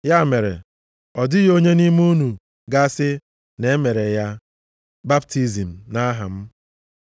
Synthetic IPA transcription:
ja˦˨me˨ɾḛ˨ | ɔ˨dɪ˦jo˦ɲe˦ni˦m˦u˦nu˨ | ɡa˦sɪ˦ | ne˨˦me˨ɾe˨ja˦ | ba˦bti˨zi˨m̩˨na˦ɦa̰˨m̩˦

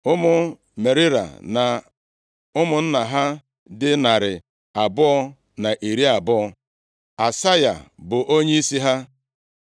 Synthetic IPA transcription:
ʊ˦mʊ˦ | me˨ɾɪ˦ɾa̰˨na˨ | ʊ˦mʊ˦n̩˦na˨ɦa˦ | dɪ˦na˨ɾɪ˨ | a˨bʊ˦ɔ˦ | na˨ʔe˨ɾi˦a˨bʊ˦ɔ˧ | a˨sa˦ja̰˨bʊ˨ʔo˦ɲe˦i˦si˦ɦa˦

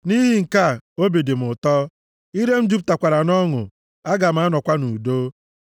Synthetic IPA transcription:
ni˦ɦi˨ŋ̩˨ka˦˨o˦be˨de˨m̩˨ʊ˨tɔ˦ | i˦ɾe˦m̩˦d͡ʒu˦p̬̚ta˨kʷa˨ɾa˨nɔ˦ŋʊ̰˨ | a˦ɡa˨m̩˦˨a˦nɔ˨kʷa˦nu˨do˦

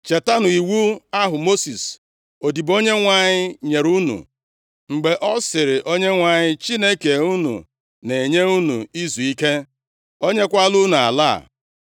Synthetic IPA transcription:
t͡ʃe˨ta˦nʊ˨i˨wu˦a˦ɦʊ˨mo˦si˨s | o˨di˨bo˦ɲe˦ŋʷa˨ɲɪ˦ɲe˨ɾu˦nṵ˨ | ŋ͡m̩˨ɡ͡be˨ʔɔ˦sɪ˨ɾɪ˨ʔo˦ɲe˦ŋʷa˨ɲɪ˦t͡ʃi˦ne˦ke˨u˦nṵ˨ | ne˨ɲe˦u˦nṵ˨i˦zu˨i˦ke˦ | o˦ɲe˦kʷa˦lu˦nu˨a̰˨la̰ː˦˨

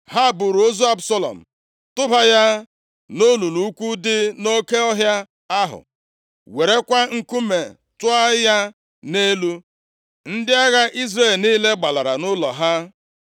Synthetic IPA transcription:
ɦa˦˨bʊ˨ɾo˦zu˦a˦bsɔ˦lɔ̰˨m̩˨ | tʊ˦ba˦ja˦ | no˦lu˨lu˨˦kʷu˦dɪ˦no˦ke˦ɔ˦ɦja˦ | a˦ɦʊ̰˨ | we˨ɾe˦kʷa˦ŋ̩˦ku˦me˨ | tʊ˦a˦ja˦ | ne˦lu˦ | n̩˦dɪ˦a˦ɣa˦ʔi˦zɾe˦˨lniː˦le˦ɡ͡ba˨la˨ɾa̰˨nʊ˦lɔ˨ɦa˦

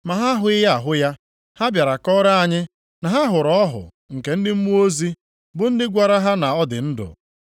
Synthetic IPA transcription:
ma˨ɦa˦ɦʊ˦ɪ˦ɦa˦a˨ɦʊ˦ja˦ | ha˦bja˨ɾa˨kɔ˦ɾa˦a˨ɲɪ˦ | na˨ɦa˦ɦʊ˨ɾɔ˦ɔ˦ɦʊ̰˨ | ŋ̩˨ke˨n̩˦dɪ˦m̩˦mu˦o˦zi˦ | bʊ˦n̩˦dɪ˦ɡʷa˨ɾa˦ɦa˦na˨ɔ˦dɪ̰˨n̩˦dʊ̰˨

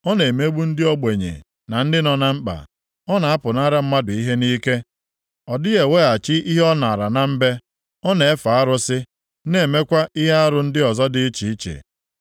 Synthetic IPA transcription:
ɔ˦ne˨me˦ɡ͡bu˦n̩˦dɪ˦ɔ˦ɡ͡be˨ɲḛ˨ | na˨n̩˦dɪ˦nɔ˨na˦ŋ͡m̩˦k͡pa̰˨ | ɔ˦na˨a˦pʊ˨na˦ɾa˦m̩˦ma˦dʊ˨i˦ɦe˦ni˦ke˦ | ɔ˨dɪ˦ɣe˨weː˦a˨t͡ʃɪ˦ʔi˦ɦe˦ɔ˦na˨ɾa˨na˨m̩˦be˦ | ɔ˦ne˨e˦fa˨a˦ɾʊ˦sɪ˦ | ne˦˨me˦kʷa˦ʔi˦ɦe˦a˦ɾʊ˦n̩˦dɪ˦ɔ˨zɔ˦dɪ˦t͡ʃi˨i˦t͡ʃḛ˨

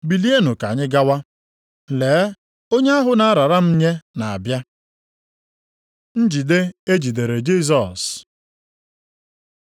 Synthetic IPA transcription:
bi˨li˦e˦nʊ˨ka̰˨ɲɪ˦ɡa˦wa˦ | leː˨˦ | o˦ɲe˦a˦ɦʊ˦na˦a˦ɾa˨ɾa˦m̩˦ɲe˦na˨a̰˨bja˦ | n̩˦d͡ʒi˨de˦e˦d͡ʒi˨de˨ɾe˨d͡ʒi˦s̬ɔ˨s

